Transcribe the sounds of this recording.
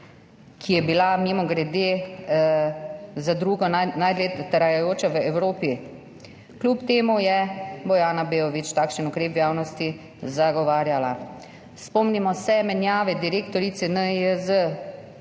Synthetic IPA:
kʰijɛbilamimɔɡɾɛd̪eː | zad̪ɾuːɡɔnajd̪let̪əɾajajoːt͡ʃaʋəɛwɾoːpi | klʲupt̪eːmujɛbɔjaːnabeːɔʋit͡ʃt̪aːkʃənukɾeːpʋjaːwnɔst̪i | zaɡɔʋaːɾjala | spɔmnimɔsɛmɛnjaːʋɛd̪iɾeːkt̪ɔɾit̪sɛnəəzə

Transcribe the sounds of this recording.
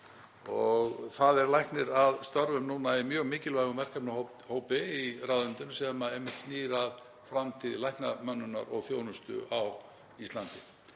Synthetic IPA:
ɔɣθaðɛɾlajhknɪɾaðst̪œɾvʏmnuːnaimjœːɣmɪːcɪlvajɣʏmvɛr̥kapnaɦo | hoːwpɪiraːwðʏnt̪ɪnsɛmaejmːɪht̪sniːɾað | fɾamt̪ʰɪðlajhknamœnːʏna̰ɾɔɣθjoːwnʏst̪ʏ̰ʔaw | ist̪lant̪ɪ

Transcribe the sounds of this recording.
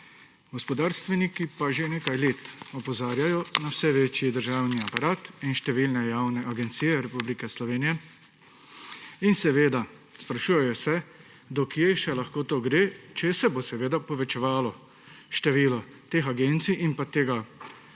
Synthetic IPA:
ɡɔspɔd̪aːɾst̪ʋɛnikipaʒeneːkajleːt̪ɔpɔzaːɾjajɔnawsɛʋeːt͡ʃjid̪əɾʒaːwniapaɾaːt̪inʃt̪ɛʋiːlnɛjawnɛʔaɡɛnt̪sijɛɾɛpublikɛslɔʋeːnijɛ | insɛʋeːd̪a | spɾaʃuːjɛjɔsɛ | d̪ɔkjeʃɛlaxkoːt̪oːɡɾeːt͡ʃɛsɛbosɛʋeːd̪apɔʋɛt͡ʃɛʋaːlɔ | ʃt̪ɛʋiːlɔt̪eːxaɡent̪siʔinpat̪eːɡa

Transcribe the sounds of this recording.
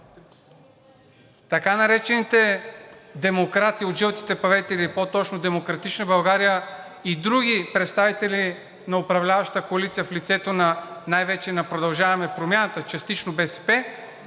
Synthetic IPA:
t̪ɐkanɐɾɛt͡ʃɛnit̪ɛ | d̪ɛmokɾat̪iːod̪ʒivot̪i̥t̪ɛpɐvɛt̪ɛlipot̪ɔt͡ʃnod̪ɛmokɾɐt̪it͡ʃnəbɐlˠɡaɾijə | id̪ɾuɡʲipɾɛt̪st̪avit̪ɛli | nɐopɾɐvlʲavɐʃt̪t̪əkoɐlit̪sijəflit̪sɛt̪onɐnajvɛt͡ʃɛnɐpɾod̪ɐlˠʒavɐmɛpɾomjanɐt̪ət͡ʃɐst̪it͡ʃnobɛsɛ̥pɛ

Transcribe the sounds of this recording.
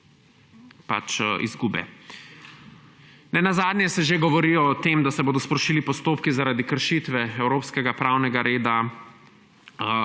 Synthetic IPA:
pa̰t͡ʃḭzɡuːbɛ̰ | nɛnazaːd̪njɛsɛʒeɡɔʋɔɾiɔt̪eːmd̪asɛboːd̪ɔspɾɔʃiːlipɔst̪oːp̚kizaɾaːd̪ikəɾʃit̪ʋɛɛwɾoːpskɛɡapɾaːwnɛɡaɾeːd̪a

